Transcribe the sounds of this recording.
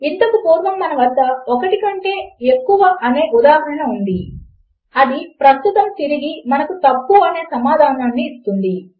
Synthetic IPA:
int̪ɐkupuːɾʋɐmːɐnɐʋɐd̪ːɐɔkɐʈikɐɳʈe̞ːekːuʋɐʔɐne̞ːʔud̪aːɦɐɽɐnɐund̪i | ɐd̪ipɾɐst̪ut̪ɐmt̪iɾiɡimɐnɐkut̪ɐpːuɐne̞ːsɐmaːd̪ʱaːnɐnːiːst̪und̪i

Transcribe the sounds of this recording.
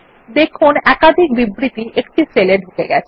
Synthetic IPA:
d̪ekʰunɛkad̪ʱik̚bibɾit̪iʔekʈiseleɖʱukeɡɛt͡ɕʰe

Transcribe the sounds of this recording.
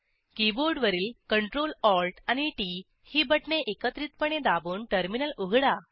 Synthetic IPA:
kiboɾɖʋəɾiːlkəɳʈɾolɔɾʈañiʈi | hiːbəʈɳeʔekət̪ɾit̪pəɳed̪abuːɳʈəɾminəluɡɽa

